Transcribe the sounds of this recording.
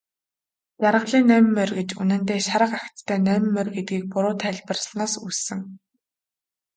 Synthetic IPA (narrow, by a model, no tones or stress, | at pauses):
t͡saɾʁə̆ɮiːnːæmmːœrɡet͡ɕṵnɘ̆nt̪eːʃaɾə̆qaxʲt̪t̪ʰːœːnœmmːœrɡet̪̚ɡiːk̚pʊɾʊːt̪ʰæɮʲpə̆rs̆ɮnaːsusɘ̆ŋ